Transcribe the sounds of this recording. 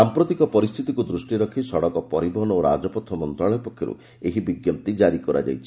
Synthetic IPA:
sampɾɔt̪ikɔpɔɾist̪ʰit̪ikud̪ɾusʈiɾɔkʰisɔɽɔkɔpɔɾibɔɦɔnoɾa̰d͡ʒɔpɔt̪ʰːɔmɔnt̪ɾaɭɔjɔpɔkʰjɔɾṵ | eɦibiɡjɔp̚t̪id͡ʒaɾikɔɾa̰d͡ʒa̰jt͡ʃʰi

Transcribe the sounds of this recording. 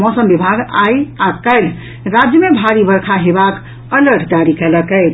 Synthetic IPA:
mɔsəmbibʱaɡajakəɪl | ɾad͡ʒjəmebʱaɾibəɾkʰaɦebak | ələɾʈʰd͡ʒaɾikɛləkɛ

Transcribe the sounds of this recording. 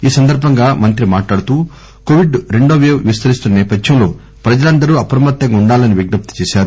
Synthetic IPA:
iːsɐnd̪ɐɾbʱɐŋɡaːmɐnt̪ɾimaːʈlaːɽut̪uː | koʋiɖɾeɳɖoːʋeːʋʋist̪ɐɾist̪unːɐnɛːpɐd̪jɐmlo̞̰ː | pɾɐd͡ʒɐlɐnd̪ɐɾuːɐpɾɐmɐt̪ːɐŋɡuɳɖaːlɐniʋiɡnɐp̚t̪ɐ̥t͡ʃeːʃaːɾu

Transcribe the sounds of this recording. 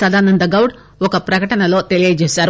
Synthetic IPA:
sɐd̪aːnɐnd̪ɐɡɐwɖ | ɔkɐpɾɐkɐʈɐɳɐlo̞ːt̪elijɐd͡ʒeːsaːɾu

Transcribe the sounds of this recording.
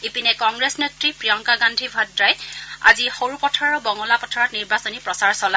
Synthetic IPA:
ipinɛkɔŋɡɹesnetɹipɹijɔŋkaɡandʱibʱadɹaja̰zixoɹupɔtʰɔɹɹɔbɔŋɔlapɔtʰɔɹɔtniɹbasɔnipɹɔsaɹsɔla

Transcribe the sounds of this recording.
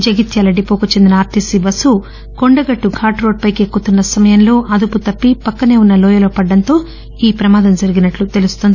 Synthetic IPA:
d͡ʒɐɡit̪jaːlɐɖipoːkut͡ʃe̞nd̪inɐaːɾt̪isibɐsu | koɳɖɐɡɐʈːuɡʱaːʈɾo̞ːɖ̚pɐjkekːut̪unːɐsɐmɐjɐmlo̞ːʔɐd̪uput̪ɐpːipɐkːɐne̞ːunːɐlɔːjɐlo̞ːpɐɖːɐnt̪o̞ː | iːpɾɐmaːd̪ɐmd͡ʒɐɾiɡinɐʈlut̪e̞lust̪ond̪i

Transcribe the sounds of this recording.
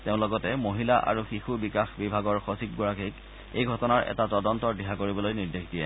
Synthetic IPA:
teʊ̃lɔɡɔtɛmoɦilaʔa̰ɹuxixubikaxbibʱaɡɔɹxosip̚ɡɔɹakik | ejɡʱɔtɔnaɹɛ̰tatɔdɔntɔɹdiɦakoɹibɔlojniɹdexdijɛ

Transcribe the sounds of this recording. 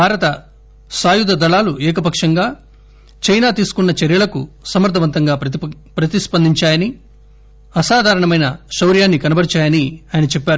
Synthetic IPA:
bʱaːɾɐt̪ɐ | saːjud̪ɐd̪ɐɭaːluʔɛːk̬ɐp̬ɐkʂɐŋɡaː | t͡ʃɐjnaːt̪iːsu̥kunːɐt͡ʃɛɾjɐɭlɐkusɐmɐɾd̪ʰʱɐʋɐnt̪ɐŋɡaː | pɾɐt̪ispɐnd̪ʱiɲt͡ʃaːjɐni | ɐsaːd̪ʱaːɾɐɳɐmɐjnɐʃɐwɾjaːnːikɐnɐbɐɾit͡ʃaːjɐniaːjɐnɐt͡ʃɛpːaːɾu

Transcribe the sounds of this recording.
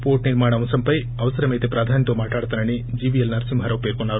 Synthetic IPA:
poːɾʈniɾmaːɳɐʋɐnsɐmpɐj | ɐʋɐsɐɾɐmejt̪epɾaːd̪ʱaːnjɐt̪oːmaːʈaːɽt̪anɐnid͡ʒiːʋijɐlnɐɾɐsimʱɐɾɐwpeːkonːaːɾu

